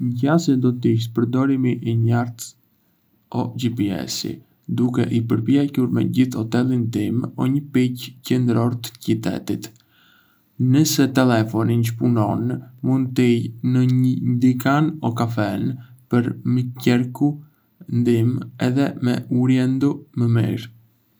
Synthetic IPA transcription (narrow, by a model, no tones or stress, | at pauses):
ɲɟasɛd̪ɔt̪iʃ̬t̪̚pəɾd̪ɔɾimiʔiɲaɾt̪ | ɔd͡ʒipiɛ̰sḭ | d̪ukɛ̰ʔipəɾpjɛcuɾmɛ̰ɟiθhɔt̪ɛlind̪imɔɲəpiccɛnd̪ɾɔɾt̪ə̥cit̪ɛ̰t̪it̪ | nəsɛt̪ɛlɛfɔninʃpunɔnmund̪t̪ijnəɲənd̪ikanɔkafɛnpəɾmicɛɾku | nd̪imɛðɛmɛ̰uɾjɛnd̪uməmḭɾ